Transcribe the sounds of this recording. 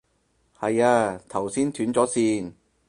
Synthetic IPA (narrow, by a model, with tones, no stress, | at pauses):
hɐ˨jaː˧t̪ʰɐ˨˩wsiː˥nt̪ʰyː˨˥nt͡sɔː˨˥siː˧n